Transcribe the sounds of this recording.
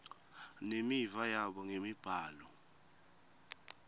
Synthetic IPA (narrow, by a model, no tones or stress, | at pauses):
nemivajaɓɔŋemib̥ʱaːlɔ